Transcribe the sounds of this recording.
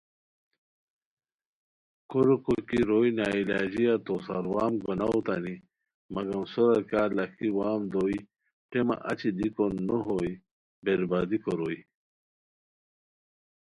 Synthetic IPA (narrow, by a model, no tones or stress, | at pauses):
koɾukokiɾojnaːilaːd͡ʑijat̪osa̰ɾwaːmɡonawt̪a̰ni | mɐɡɐmsoɾɐɾkaːlɐkʰiwaːmd̪oːi | ʈemɐ̰ʔɐ̰t͡ɕid̪ikonːoɦoj | beɾbad̪ikoɾoːi